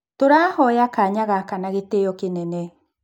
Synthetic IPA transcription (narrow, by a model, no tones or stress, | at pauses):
toɾaːhɔjakaɲaɣakanaɣeteɔkenɛnɛ